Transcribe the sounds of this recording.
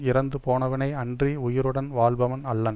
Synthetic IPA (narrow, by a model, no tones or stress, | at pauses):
ɪɾɐnd̪ɯpoːnɐʋɐnɐɪɐndriʊjɪɾɯɽɐnʋaːlbɐʋɐnɐlːɐn